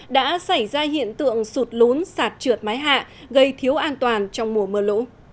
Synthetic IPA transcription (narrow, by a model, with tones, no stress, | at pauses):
ɗa̰ː˧˥sa˧˩jzaː˧ɦḭ˧˨ənt̪ɨ̰˧˨əŋsu˨˩t̚lo˨˦nsaː˨˩t̚t͡ɕɨ˨˩ət̚maː˨˦jɦa̰ː˧˨ | ɣə˧jt̪ʰi˨˦əwʔaː˧nt̪waː˨˩nt͡ɕɔ˧wŋ͡mmu˧˩əmɨː˧˩lo̰˧˥